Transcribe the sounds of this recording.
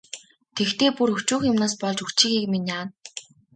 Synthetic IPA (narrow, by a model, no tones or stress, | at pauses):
t̪ʰekt̪eːpurɵxt͡ɕuːxjʊmnaːspɔɮt͡ɕɵkt͡ɕĭːxiːkminʲaːn